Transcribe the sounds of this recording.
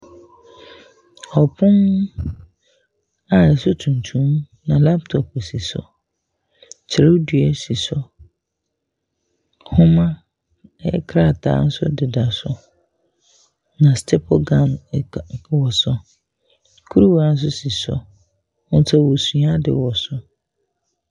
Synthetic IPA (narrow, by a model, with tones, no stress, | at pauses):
ɔ˨pʰʊ̃˦n˦ | a˨ɛ˨sʊ˦tʰũ˨n˨tʰũ˦m˦ | nã˨la˦p̚tʰɔ˨pɔ˨si˨sɔ̰˦ | t͡ɕʰɪ˨ɾdɥɛ˨si˨sɔ˦ | hʊ̃˦mã˦ | ɛ̰˦kʰɾa˦˨tʰa̰ː˨˦n̩˦sʊ̰˦dɪ˨da˨sɔ˦ | nã˨stʰɛ˦pʰɔ˦ɡã˨m˨ | wɔ˨sɔ˦ | kʰu˦ɾu˦wa˨n̩˦s̬ʊ˦si˨sɔ̰˦ | ɔ˦tʰa˦wo˨su˨˦a˦dɪ̰˨wɔ˨sʊ˦